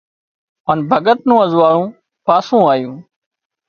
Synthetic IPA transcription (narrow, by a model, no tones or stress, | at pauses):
ənbʱəɠət̪̚nũːəzʋaːɽũː | paːsũːaːjũː